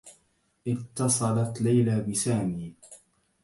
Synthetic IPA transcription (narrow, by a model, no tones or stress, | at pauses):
ʔɪt̪ːɑsˤɑlat̪lajlabɪsaːmiː